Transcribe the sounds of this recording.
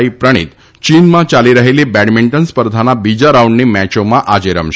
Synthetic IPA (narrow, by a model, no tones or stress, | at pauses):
ipɾəɽ̃ḭːt̪ | t͡ɕiːnmãt͡ɕaliɾəɦilebæɽmiɳʈənspəɾd̪ʱanabid͡ʑaɾauɳɖnimæt͡ɕomaʔad͡ʑeɾəmɕ